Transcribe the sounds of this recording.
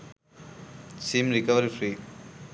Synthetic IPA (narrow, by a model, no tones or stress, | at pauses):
siːmɾikɐʋɐɾifɾiː